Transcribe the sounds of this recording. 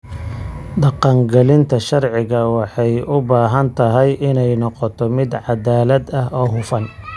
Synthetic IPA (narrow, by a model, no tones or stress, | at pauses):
ɖɑqɑŋɡɛlɪnt̪ʰɐʃɐrʕɪɣɐwɑħɑjʊbaːɦɐnt̪ʰɐɦɛjʔɪnɛjnɔqɔt̪ʰɔmɪd̪ʕɑd̪aːlɐd̪ɐɦɔːɦʊfɐn